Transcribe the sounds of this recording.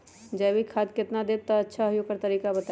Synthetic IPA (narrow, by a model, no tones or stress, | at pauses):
d͡ʒɐbikʰaːd̪̚kɪt̪nad̪eːb̚t̪aɐtːʃʰaɦjoːɡ̚kɐɾt̪ɐɾiːkabɐt̪a